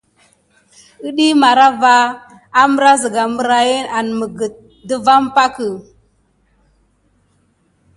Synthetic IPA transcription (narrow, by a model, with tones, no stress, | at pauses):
ə˦ɗi˦ma˨ɾa˦va˦ | a˦mə˦ɾa˦zə˨ɡa˨mə˦ɾa˨je˦na˨n˨mə˨ɡə˨t̚ | də˦va˦m˦pa˦kə˨